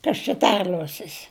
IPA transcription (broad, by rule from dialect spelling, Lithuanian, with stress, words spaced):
ˈkɐs t͡ʃʲɛ ˈtʲɛrʲlʲuɔsʲɪs